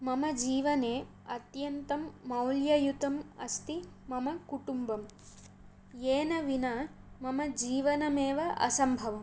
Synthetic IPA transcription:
mɐmɐd͡ʒiːʋɐneː | ɐt̪jɐnt̪ɐmːɐwljɐjut̪ɐmɐst̪imɐmɐkuʈumbɐm | jeːnɐʋinɐmɐmɐd͡ʒiːʋɐnɐmeːʋɐʔɐ̰sɐmbʱɐʋɐm

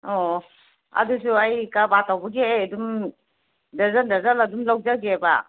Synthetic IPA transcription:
ɔ | a̰dusuajkabatawbuɡiajadum | dazandazaladumlawzaɡeba

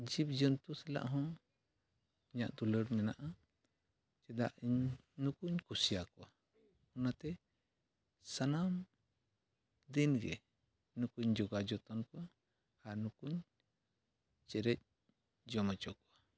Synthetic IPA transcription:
d͡ʒip̚d͡ʒənt̪usɛla̰ʔɦɔ̃ | iɲa̰ʔd̪uləɽmɛnaʔa | t͡ʃɛd̪a̰ʔiɲ | nukuɲkusijakɔwa | ɔnat̪ɛ | sanam | d̪inɡɛ | nukuɲd͡ʒɔɡad͡ʒɔt̪ɔnkɔwa | aɾnukuɲ | t͡ʃɛɾɛc̚ | d͡ʒɔmɛt͡ʃɔʔkɔwa

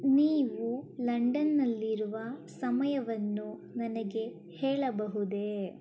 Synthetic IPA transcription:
niːʋulɐɳɖɐnːɐlːiɾuʋɐsɐmɐjɐʋɐnːunɐnɐɡe̞ | hɛːɭɐbɐɦud̪e̞

